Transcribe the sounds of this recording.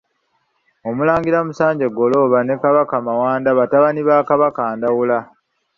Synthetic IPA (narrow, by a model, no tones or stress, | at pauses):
o̞mulaːŋɡiɾamusaːɲɟe̞ɡo̞lo̞ːβane̞kaβakamawaːndaβataβaniβaːkaβakaːndawula